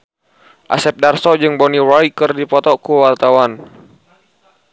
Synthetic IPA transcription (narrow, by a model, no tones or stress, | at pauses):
ʔa̰sɛp̚darsɔd͡ʒɨŋbɔniɾajkərdipɔt̪ɔkuwart̪awan